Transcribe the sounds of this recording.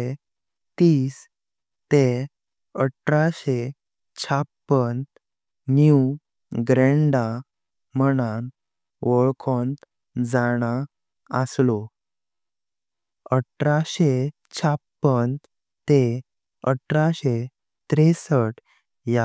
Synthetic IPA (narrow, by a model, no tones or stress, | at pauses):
e | t̪iːs | t̪e | əʈɾaɕe | t͡ɕʰapːən | nju | ɡɾeɳɖa | məñan | ʋəɭkʰɔnt̪ | d͡zaɽ̃a | əslo | əʈɾaɕe | t͡ɕʰapːən | t̪e | əʈʰɾaɕe | t̪ɾesəʈ | ja